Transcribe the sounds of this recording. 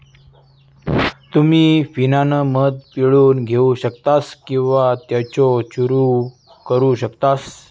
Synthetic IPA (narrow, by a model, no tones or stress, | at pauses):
t̪umiːfinanəmət̪̚piɭuːnɡʱeuɕəkt̪askĩw̃ʋat̪jat͡soɕuɾu | kəɾuɕəkt̪as